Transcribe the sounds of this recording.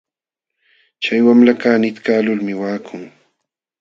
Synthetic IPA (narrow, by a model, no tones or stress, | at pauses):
t͡ʃajwamlakaːnɪt̪kaːlʊlmɪwaːkʰʊŋ